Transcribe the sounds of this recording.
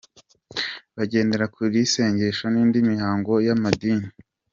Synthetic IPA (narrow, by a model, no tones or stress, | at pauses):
βaɟe̞ːnde̞ɾakʰuɾise̞ːɲɟe̞ʃaniːndimihaːŋɡo̞jamadiːni